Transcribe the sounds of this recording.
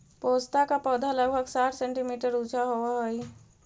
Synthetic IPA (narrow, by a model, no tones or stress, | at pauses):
post̪akapɔd̪ʱaləɡbʱəɡsaʈʰsẽɳʈimiʈəɾut͡ʃʰaɦowaɦəj